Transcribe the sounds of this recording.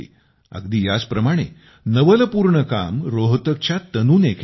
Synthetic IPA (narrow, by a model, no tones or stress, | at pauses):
ə̰ɡd̪iːjad͡zpɾəmaɽ̃e | nəʋələpuːɾɳəka̰mɾoɦt̪ək̚t͡ɕjat̪ənuːnekʰ